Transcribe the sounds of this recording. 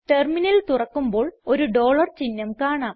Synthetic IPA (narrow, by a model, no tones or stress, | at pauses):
ʈerminɐlt̪urɐkːumbo̞ːɭo̞ɾuɖo̞ːɭɐrt͡ɕinːɐmkaːɳaːm